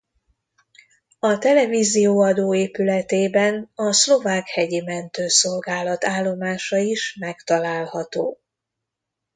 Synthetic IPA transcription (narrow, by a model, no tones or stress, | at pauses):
ɒt̪ɛlɛvizijoːɒd̪oːeːpylɛt̪eːbɛnɒslo̞vaːkhɛɟimɛnt̪øːsolɡaːlɒt̪aːlːo̞maːʃɒiʃmɛkt̪ɒlaːlhɒt̪o̰ː